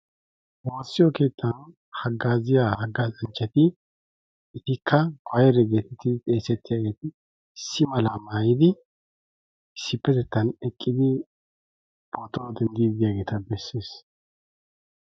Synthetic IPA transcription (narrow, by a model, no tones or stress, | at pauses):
woːsːɪjɔke̞ːt̪ːɐn | hɐɡːaːzɪjahɐɡːaːzɐnt͡ʃʼːɐt̪ɪ | ɪt̪ɪkːɐɡʰʷɔjɛɾɛɡe̞ːt̪ɪt̪ːɪt̪ʼeːsɛt̪ːɪjaːɡe̞ːt̪ɪ | sːɪmɐlamaːjɪd̪ɪ | ɪsːɪpːɛt̪ɛt̪ːɐnɛkʼːɪd̪ɪ | b̥ɔt̪ɔd̪ɛnd̪id̪ɪjaːɡe̞ːt̪ɐbɛsːe̞ːs